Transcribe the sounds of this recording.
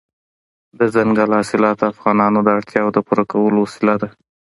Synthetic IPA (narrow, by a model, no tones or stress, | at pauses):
d̪əzaŋɡalhɑsɪlɑt̪afɣɑnɑnod̪əaɽt̪ʰjɑwod̪əpuɾakawəlosɪlad̪a